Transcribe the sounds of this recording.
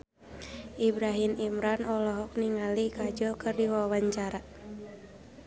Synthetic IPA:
ʔibɾaɦimimɾanɔlɔɦɔk̚niŋalikad͡ʒɔkɨrdiwawaɲt͡ʃaɾa

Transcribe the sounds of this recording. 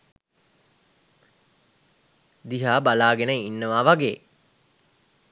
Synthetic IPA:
d̪iɦaːbalaːɡenəinːəʋaːʋaɡḛː

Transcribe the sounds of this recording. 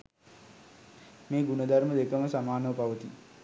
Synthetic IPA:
meːɡunɐd̪ɐɾməd̪ekəməsamaːnəʋəpaʋət̪i

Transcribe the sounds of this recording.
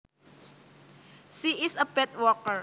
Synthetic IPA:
siʔɪsəb̥ɛt̪̚wɔkər

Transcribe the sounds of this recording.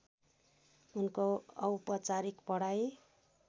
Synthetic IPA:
unkoʌwpʌt͡saɾikpʌɽaj

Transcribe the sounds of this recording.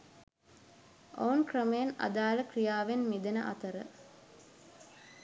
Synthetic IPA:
ʔounkrəməjena̰d̪aːləkrijaːʋenmid̪ənəʔa̰t̪əɾə̰

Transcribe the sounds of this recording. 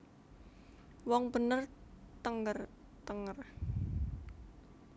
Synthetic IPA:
wɔŋb̥ə̤nərt̪əŋɡər | t̪əŋər

